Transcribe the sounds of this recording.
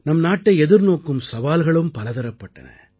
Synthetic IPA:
nɐmnaːʈːɐɪɛðɪɾnoːkːɯmsɐʋaːlɣɐɭɯmpɐlɐðɐɾɐpːɐʈːɐ̰nɐ̰

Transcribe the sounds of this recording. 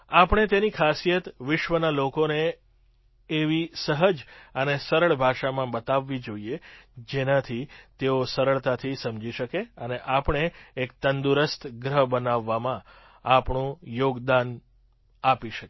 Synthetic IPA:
apɳ̃et̪enikʰasijət̪ʋɪʃʋənalokone | ʋisəɦəd͡ʒənesəɾəɭbʱaʃamãbət̪aʋːid͡ʒoied͡ʒenat̪ʰit̪eosəɾəɭt̪at̪ʰisəmd͡ʒiʃəkeəneʔapəɳ̃eːk̚t̪ənd̪uɾəst̪ʰɡɾəɦbənaʋːamã | apɳũjoɡd̪an | apiʃəke

